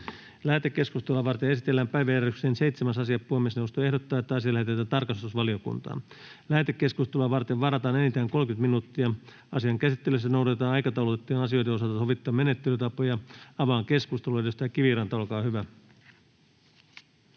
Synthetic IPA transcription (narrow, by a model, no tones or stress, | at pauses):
læːt̪ekːe̞skust̪elːɑʋɑrt̪eesit̪elːæːmpæjʋæjærykseːnsejt̪semæsɑsiɑppuemːesneost̪oe̞hdot̪ːɑːet̪ːæɑsiɑlæhet̪et̪æt̪ɑrkɑst̪usʋɑliokṵnt̪ɑ̰ː | læːt̪ekːe̞skust̪eluɑʋɑrt̪eʋʋɑrɑt̪ɑːnenit̪æːŋko̞lkyt̪minuːt̪ːiɑ | ɑsiɑŋkæsit̪ːelys̬ːænouɾɑt̪et̪ɑːnɑjkɑt̪ɑulut̪et̪ːiːnɑsio̞jteos̬ɑt̪ɑsoʋit̪ːɑːmenet̪ːelyt̪ɑpojɑɑʋɑːŋke̞skust̪eluedest̪ɑkiʋirɑnt̪ɑolkɑːhyʋæ